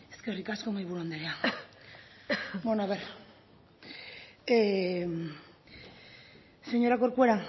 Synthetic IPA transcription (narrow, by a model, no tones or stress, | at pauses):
eskerikasko̞majβuɾand̪eɾea | bonoaβeɾ | seɲo̞ɾakoɾkueɾa